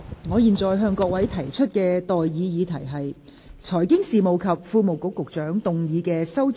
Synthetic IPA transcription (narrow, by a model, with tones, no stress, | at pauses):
ŋɔː˨˧jiː˨nt͡sɔː˨jɦœː˧ŋkɔː˧k̚wɐ˨˥jt̪ʰɐ˨˩jt͡ʃʰɵ˥t̚kɛː˧t̪ɔː˨jːiː˨˧jiː˨˧t̪ʰɐ˨˩jɦɐ˨j | t͡sʰɔː˨˩jkɪ˥ŋsiː˨mo˨wkʰɐ˨p̚fuː˧mo˨wkʊ˨˥kːʊ˨k̚t͡sœː˨˥ŋt̪ʊ˨ŋjiː˨˧kɛː˧sɐ˥wt͡s